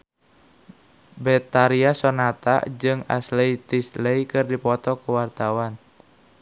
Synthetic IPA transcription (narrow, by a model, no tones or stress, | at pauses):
bɛt̪aɾiasɔnat̪a̰d͡ʒɨŋa̰sleit̪isleikɨrdipɔt̪ɔkuwart̪awan